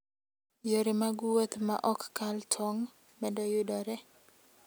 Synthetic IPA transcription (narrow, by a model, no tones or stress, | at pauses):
joɾemaɡwot̪ma̰ʔɔkːaltʰɔŋ | mɛdɔjʊdɔɾɛ